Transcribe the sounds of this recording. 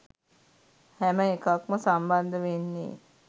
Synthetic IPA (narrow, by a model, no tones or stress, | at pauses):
hæməekakməsamband̪əʋenːḭː